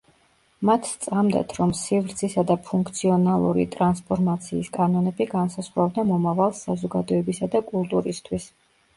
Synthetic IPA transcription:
mat̪ʰst̪sʼamd̪a̰t̪ʰɾɔmsivɾt̪sʰisad̪apʰuŋkʰt̪sʰiɔnalˠṵɾḭt̪ʼɾanspʰɔɾmat̪sʰiːskʼanɔnɛbiɡansazʁvavd̪amɔmavalˠsazɔɡad̪ɔɛbisad̪akʼulˠt̪ʼuɾist̪ʰwis

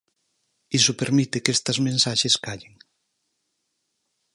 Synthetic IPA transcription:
isʊpeɾmit̪ekest̪ɐzmẽnsaʃeskaʎeŋ

